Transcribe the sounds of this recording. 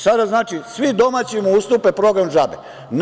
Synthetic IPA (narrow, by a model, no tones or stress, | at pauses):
sad̪aznaːt͡ʃisʋid̪o̞maːt͡ɕimuust̪upepɾo̞ɡɾamʒabe | n